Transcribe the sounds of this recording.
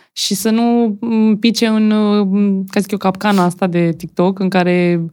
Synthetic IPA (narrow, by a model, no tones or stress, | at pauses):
ʃisənupit͡ʃe̞ɨn | kasi̥k̪ʲokapkanaast̪ad̪e̞t̪ik̚t̪o̞kɨŋkaɾe̞